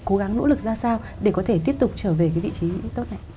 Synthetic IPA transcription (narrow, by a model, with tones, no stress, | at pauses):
ko˨˦ɣa˨˦ŋno̰˧˥lɨ˨˩k̚zaː˧saː˧w | ɗe˧˩kɔ˨˦t̪ʰe˧˩t̪i˦˥əp̚t̪ʊ˨˩k͡p̚t͡ɕəː˧˩ve˨˩kaː˨˦vḭ˧˨t͡ɕi˨˦t̪o˦˥t̚ʔa̰˧˨